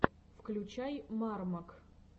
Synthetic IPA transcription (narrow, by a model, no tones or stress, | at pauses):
fklʲʊt͡ɕajmarmək